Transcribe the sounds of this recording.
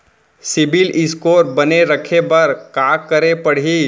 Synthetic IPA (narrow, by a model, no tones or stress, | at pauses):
sɪbilɪskoːɾbəneɾəkʰebɐɾkaːkəɾepəɽ̤i